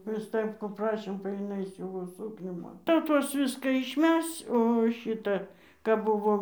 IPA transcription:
prɨ ˈstɜpkuː ˈprɑːʃʲeːm bɐ jɪˈnɐɪ ˈsʲuːʋoː ˈsuːknʲuː ˈmɐn tɐɪ jɛʊ ˈtuɔs ˈʋʲɪskɐ ɪʃʲˈmʲɛst͡s oː ˈʃʲɪtɐ kɐp ˈbʊʋoːm

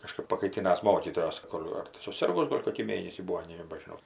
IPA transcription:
kɐˈʃkɜp pɐkɐɪˈtʲɪnɐs ˈmoːkʲiːtoːjoːs ˈkoːlʲ ɐr tɐɪ sʊˈsʲɪrɡʊs ˈɡoːlʲ koːkʲiː ˈmʲeːnʲɛsʲiː ˈbuːoː nʲɛbɐʒʲɪˈnɐʊ

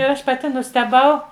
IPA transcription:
ɪr ˈɐʃ pɐˈtʲɪ nʊsʲtʲɛˈbɐʊ

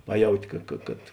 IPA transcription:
ˈpɑːˌjɛʊtʲɪ ˈkɐ kɐ kɐt

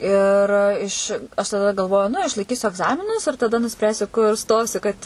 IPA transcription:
ɪr ˈɪʃ ɐʃ tɐˈdɐ ɡɐlˠˈʋoːjʊ nʊ ɪʃlˠɐɪˈkʲiːsʲʊ ɐɡˈzɑːmʲɪnʊs ɪr tɐˈdɐ nʊˈsʲpʲrʲæːsʲʊ kʊr ˈstoːsʲʊ kɐt

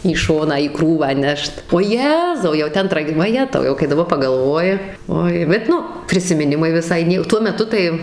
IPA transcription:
iː ˈʃoːnɑː iː ˈkruːʋɑː ˈnʲɛʃt oː ˈjæːzɐʊ jɛʊ ˈtʲɛn ˈtrɐk ʋɐˈjæːtɐʊ ˈjɛʊ kɐɪ dɐˈbɐr pɐɡɐlˠˈʋoːjɪ ˈoːɪ bʲɛt ˈnʊ pʲrʲɪsʲɪmʲɪˈnʲɪmɐɪ ʋʲɪˈsɐɪ ˈnʲiɛ ˈtuɔ mʲɛˈtʊ tɐɪ

